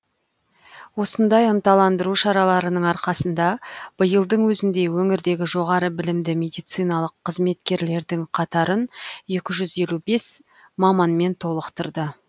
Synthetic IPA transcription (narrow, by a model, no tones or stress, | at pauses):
wo̞sənd̪ɑjənt̪ɑlˠɑnd̪əɾuʃɑɾɑlˠɑɾənəɴɑɾqɑsənd̪ɑb̥əjəlˠd̪əɴwɵzɪnd̪e̞wɵŋɪɾd̪e̞ɡʲɪʒo̞ʁɑɾəbɪlɪmd̪ɪmʲe̞d̪ijt̪sɨjnɑlˠəqʰːəzme̞t̪kʲe̞ɾle̞ɾd̪ɪŋqʰɑt̪ɑɾənje̞kʲɪʒʏze̞lʲube̞s | mɑmɑnme̞nt̪ʰo̞lˠəqt̪əɾd̪ə